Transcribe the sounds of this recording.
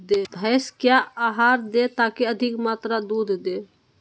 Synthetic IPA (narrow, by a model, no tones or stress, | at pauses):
d̪eːbʱɛːskjaaːɦaːɾd̪et̪aːkeəd̪ʱɪkmaːt̪ɾad̪uːd̪ʱd̪eː